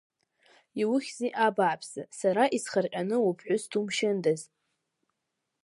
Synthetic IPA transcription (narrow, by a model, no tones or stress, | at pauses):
iwʊχʲziʔabaʕpʰz̥asaɾaʔisχarqʲʼanɨupʰħʷʊstʰumʃɪndaz